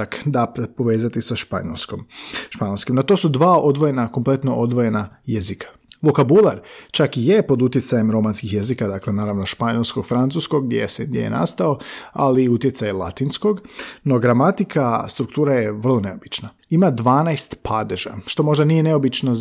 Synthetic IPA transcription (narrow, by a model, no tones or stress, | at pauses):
akd̪appo̞ʋe̞ːzat̪isaʃpa̰skomʃpaɲolskimnat̪o̞sud̪ʋaːod̪ʋoje̞nako̞mple̞t̪no̞ʔod̪ʋoje̞najezikʰḁ | ʋo̞kabulˠaɾt͡ʃakije̞po̞d̪ut̪je̞t̪sajemɾo̞manskixjezikad̪akle̞naːɾaʋno̞ʃpaɲolˠsko̞ɡ̥fɾant̪suːskoɡd̪jḛsed̪jḛjḛna̰st̪ao̞a̰liut̪je̞t̪sajelˠa̰t̪insko̞ɡno̞ɡɾamat̪ikʰast̪ɾukt̪uːɾaje̞ʋər̩lˠo̞ne̞o̞bit͡ʃna | imad̪ʋaːnajst̪pʰad̪eʒa̰ʃt̪o̞mo̞ʒd̪anije̞ne̞o̞bit͡ʃno